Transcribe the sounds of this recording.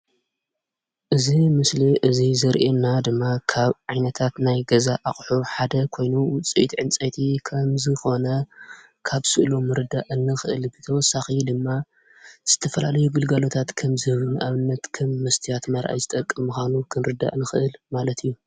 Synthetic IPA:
ʔɨzimɨsliʔɨzizɐɾʔenad̪ɨmːakʰaβʕajnɐt̪ʰat̪najɡɐzaʔaxʼħuħad̪ɐkʰo̞jnuwʊt͡sʼit̪ʕɨnt͡sʼɐjt̪ʰikʰɐmzɨxo̞nɐ | kʰaβsɨʔlumɨɾɨd̪aʔɨnːɨxɨʔɨlbɨt̪ʰɐwɔsːaxid̪ɨmːa | z̥ɨt̪ʰɐfɐlalɐjuɡɨlɡalo̞t̪ʰat̪kʰɐmzɨhɨβɨnʔaβɨnːɐt̪kʰɐmːɐst̪ʰijat̪mɐɾʔa̰jzɨt̪ʼɐkʼːɨmɨxʷanukʰɨnɾɨd̪a̰ʔɨnɨxɨʔɨlmalɐt̪ʰijːu

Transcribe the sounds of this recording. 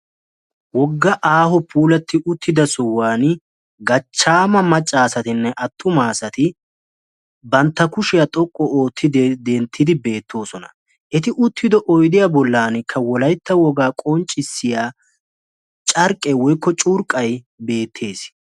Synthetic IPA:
wɔɡːɐʔaːɦɔpʰuːlɐt̪ːɪʔʊt̪ʰːɪd̪ɐsɔwːaːn | ɡɐt͡ʃːaːmɐmɐt͡ʃʼːaːsɐt̪ɪnːɛʔɐt̪ʰːʊmaːsɐt̪ɪ | bɐnt̪ːɐkʊʃɪjat̪ʼɔkʼːɔoːt̪ʰːɪd̪d̪ɛnt̪ʰːɪd̪ɪbe̞ːt̪ʰːo̞ːsɔnɐ̰ | ʔɛt̪ɪʔʊt̪ːɪd̪ɔʔɔjd̪ɪjabɔlːaːnɪkʰːɐwɔlɐjt̪ːɐwɔɡaːkʼɔnt͡ʃʼɪsːɪjaː | t͡ʃʼɐɾkʼːɛwɔjkːɔt͡ʃʼuːɾkʼːɐj | be̞ːt̪ʰːe̞ːs

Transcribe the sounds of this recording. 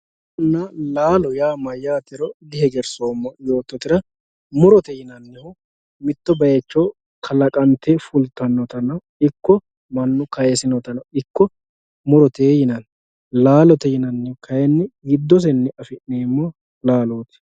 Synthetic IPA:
ʊnːalaːlɔjaːmɐjːaːt̪ɪɾɔd̪ɪhɛɡɛɾsoːmːɔjo̞ːt̪ːɔt̪ɪɾɐ | mʊɾɔt̪ɛjɪnɐnːɛhʊ | mɪt̪ːɔbɐjɛt͡ʃːoː | kʰɐlɐkʼɐnt̪ɛfʊlt̪ːɐnːɔt̪ɐnɐ | ɪkːɔ | mɐnːʊkɐjɛsɪnɔt̪ɐnɐɪkːɔ | mʊɾɔt̪eːjɪnɐn | laːlɔt̪ɛjɪnɐnːɛhʊkʰɐjɛnːɪɡɪd̪ːɔs̬ɛnːɪʔɐfɪʔneːmːo | laːloːt̪ɪ̥

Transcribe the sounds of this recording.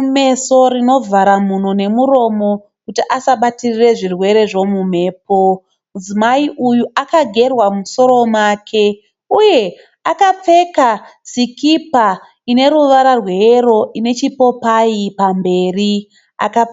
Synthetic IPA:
me̞so̞rino̞vʱaɾamun̤one̞muɾo̞mo̞ | kutiʔasaɓatirire̞ʐirwe̞ɾe̞ʐo̞mum̤e̞ːp̚o̞ | mud͡zimaiʔujuakaɡʱe̞rwamuso̞ɾo̞mwakʰe̞ | uje̞ | akap͡fe̞kasikipa | ine̞ɾuʋaɾarweeɾo̞ʔine̞t͡ʃipo̞paipambe̞ːri | a̰ka

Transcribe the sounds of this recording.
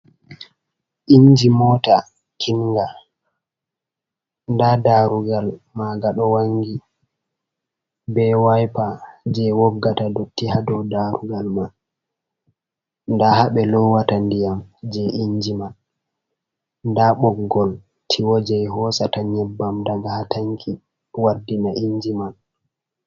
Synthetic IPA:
ʔiɲd͡ʒimɔːta | kʰinŋɡa | ndadaɾuɡalmaɡaɗɔwaŋɡi | bɛwajpad͡ʒɛwɔbɡatadotːihadɔdaɾuɡalma | ndahaɓɛlɔwatandijamd͡ʒɛʔiɲd͡ʒiman | ndaɓɔɡɡɔl | tʰiwɔd͡ʒɛɦɔsataɲɛbːamdaɡahatʰaŋkʰi | wadːinaʔiɲd͡ʒiman

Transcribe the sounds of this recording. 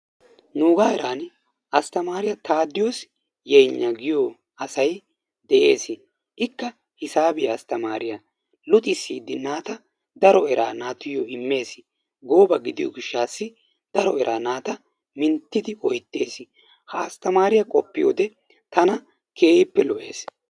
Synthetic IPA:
nuːɡaːɛɾaːn | ʔɐst̪ɐmaːɾɪjɐt̪ʰaːd̪ːɪjoːs | jɛjɲːɐɡɪjo | ɐsɐj | d̪ɛʔe̞ːsɪ | ʔɪkːɐ | hɪsaːbɪjɐɐst̪ɐmaːɾɪjɐ | lʊt̪ʼɪsiːd̪ɪnaːt̪ɐ | d̪ɐɾɔɛɾa̰ːnaːt̪ɪjɔɪmːe̞ːsɪ | ɡoːbɐɡɪd̪ɪjo̰ɡɪʃːaːsːɪ | d̪̥ɐɾɔɛɾʔaːnaːt̪ɐ | mɪnt̪ːɪd̪ɪʔɔjt̪ːe̞ːsɪ | hɐːst̪ɐmaːɾɪjɐkʼɔpːɪjo̰ːd̪ɛ | t̪ɐnɐ | kʰeːɪpːɛlɔʔe̞̰ːs

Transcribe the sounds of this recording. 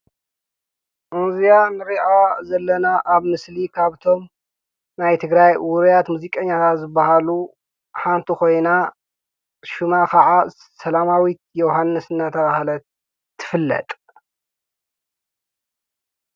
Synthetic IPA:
ʔɨnzijanɨɾiʔazɐlːɐnaʔaβmɨslikʰaβt̪ʰo̞m | najt̪ʰɨɡɾajwuɾjat̪muzikʼɐɲːat̪ʰat̪zɨbːahalu | ħant̪ʰiko̞jna | ʃumakʰɐʕa | sɐlamawit̪̚joɦanːɨsɨnːat̪ʰɐβahlɐ | t̪ʰːɨfɨlːɐ̰t̪ʼ

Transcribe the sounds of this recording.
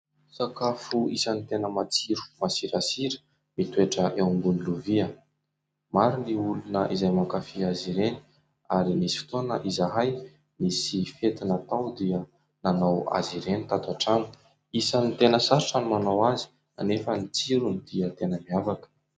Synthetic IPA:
sakafuisənit̪enəmat͡siɾu̥masiɾasiɾə̥ | mit̪weʈ͡ʂəʔewŋɡuniluviə | maɾiniulunəʔizajmakafiaziɾeni̥ | aɾimisi̥fi̥t̪onəʔizaɦaj | misifet̪inat̪awd̪iə | nanawa̰ziɾenit̪at̪aʈ͡ʂanu̥ | isanit̪enəsaɾʈ͡ʂanumanawazi̥ | a̰nefənit͡siɾunid̪̥iət̪enəmiavakə̥

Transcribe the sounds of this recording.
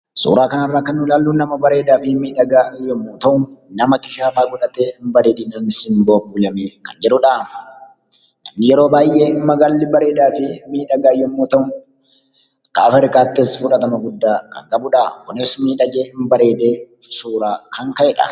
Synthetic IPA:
sṵːɾaːkɐnɐrːaːkɐnːʊlaːlːuːnːɐmɐbɐɾe̞ːd̪aːfɪmiːᶑɐɡaːɪjɔmːoːt̪ɐʔʊnɐmɐkɪʃaːfaːɡʊᶑɐt̪eːɪmbɐɾeːd̪iːnɐnɪsɪmboːbuːlɐmeːkɐnd͡ʒɛᶑʊᶑaːm | nɐmnɪjɛɾoːbaːjʔeːmːɐɡɐlːɪbɐɾe̞ːd̪aːfɪmiːᶑɐɡaːɪjːɔmːoːt̪ɐʊ | kaːfɛɾkaːt̪ːɪsfʊᶑɐt̪ɐmɐɡʊd̪ːaːkɐ̰ŋkʼɐbʊᶑaːkʊnesmiːᶑɐɡeːɪmbɐɾe̞ːd̪eː | suːɾaːkʰɐŋkɐʔɛᶑɐ̰

